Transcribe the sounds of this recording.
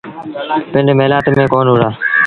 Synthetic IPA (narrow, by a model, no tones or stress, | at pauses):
pɪ̃ɳɖmeːlaːt̪mẽːkoːnʊːɽaː